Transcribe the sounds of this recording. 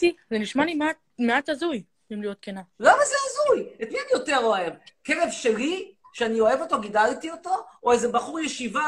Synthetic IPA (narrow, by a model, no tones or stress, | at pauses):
izeniʃmalimeat | meat̪azuj | imlijo̞t̪̚kenalamazeazujet̪mianijo̞teʁo̞evkeʁevʃe̞li | ʃeanio̞e̞vo̞to̞ɡid̪altio̞t̪o̞oezebaχuʁjeʃiva